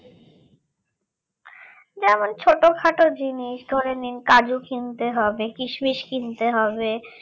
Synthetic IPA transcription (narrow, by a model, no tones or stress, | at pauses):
d͡ʑɛmont͡ɕʰoʈokʰaʈod͡ʑiniʃd̪ʱoɾeninkad͡ʑukint̪eɦɔbekɾiʃmiʃkint̪eɦɔbe